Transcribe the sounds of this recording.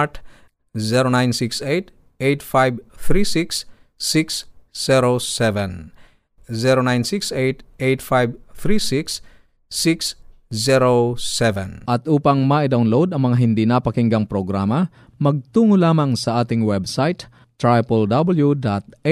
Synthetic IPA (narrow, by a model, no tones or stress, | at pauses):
t̪ | zɛɾonajnsiksejt̪ | ejt̪fajbθɾisiksː | iksːɛɾosɛvɛ̃n | zɛɾonajnsiksejt̪ejt̪̚fajbθɾisiks | siks | zɛɾosɛvɛ̰nʔɐt̪ʔuːpɐŋmaʔɪd̪awnlod̪ɐŋmɐŋaɦɪnd̪inapɐkɪŋɡɐŋpɾoɡɾaːmɐ | mɐɡ̚t̪uːŋolaːmɐŋsɐʔaːt̪ɪŋwɛbsajt̪ː | ɹajpɛld̪abɐljud̪at̪̚